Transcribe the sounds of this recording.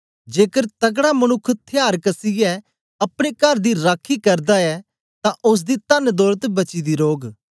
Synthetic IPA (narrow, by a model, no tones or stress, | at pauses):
d͡ʒeːkəɾt̪ɐɡɽaːmənʊkʰːt̪ʰɪjaːɾkəsiɛ | ɐpɽ̃ekɐɾd̪iːɾaːkʰːikɐɾd̪aːɛː | t̪ãʔʊs̬d̪iːt̪ənd̪ɔːɾət̪bɐt͡ʃid̪iːɾoːɡ